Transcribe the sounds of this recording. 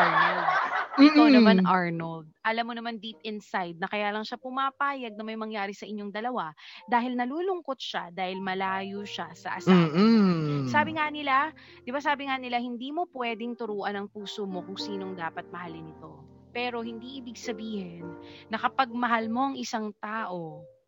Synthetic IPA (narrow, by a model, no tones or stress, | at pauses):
ʔaɹnɐld̪̚onɐmanʔaɹnold̪̚ʔɐlamːonɐmand̪it̪̚ʔɪnsajd̪̚nɐkɐjaːlɐŋʃapʊmapaːjɐɡ̚nɐmɐjmɐŋjaːɾɪsɐʔɪɲːoŋd̪ɐlɐwad̪aːhɪlnɐluːlʊŋko̞t̪̚ʃa̰d̪aːhɪlmɐlaːjoʃasɐʔɐsaasaːbɪŋanɪla | d̪ɪbasaːbɪŋanɪlahɪnd̪iːmo̞pwɛːd̪ɪŋt̪ʊɾuːʔɐnɐŋpuːsomo̞kʊŋsiːno̞ŋd̪aːpɐt̪̚mɐhalɪnɪt̪o̞ | pɛːɾo̞hɪnd̪iʔɪbɪɡsɐbiːhɛnːɐkɐpɐɡ̚mɐɦalmo̞ʔɐŋʔɪsaŋt̪aːʔo̞